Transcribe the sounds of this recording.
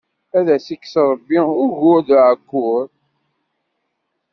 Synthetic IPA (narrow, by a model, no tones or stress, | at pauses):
æðæsikːsɾˤəbːiʊɾʝʊɾðʕəkːʊɾ